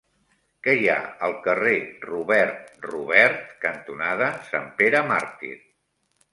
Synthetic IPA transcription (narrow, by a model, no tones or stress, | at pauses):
kɛja̰əlˠkəreruβɛrt̪ruβɛɾt̪kənt̪unað̞əsa̰mpeɾəma̰ɾt̪ḭɾ